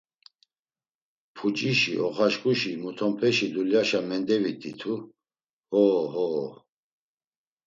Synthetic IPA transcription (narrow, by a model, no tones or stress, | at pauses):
pʰut͡ʃʼiʃiʔɔχaʃkʼuʃimut̪ʰɔmpʰɛʃid̪uljaʃamɛnd̪ɛvit̪ʰʼit̪ʰu | hɔːɦɔ